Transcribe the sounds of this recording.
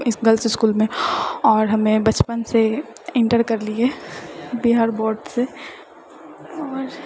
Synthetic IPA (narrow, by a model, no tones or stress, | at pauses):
ɪɡɐlsɪskuːlmẽɔːɾɦɐmẽbɐt͡ʃpənse | ɪ̃ɳʈəɾkɐɾlie | biɦaːɾbɔːɾɖse | ɔːɾ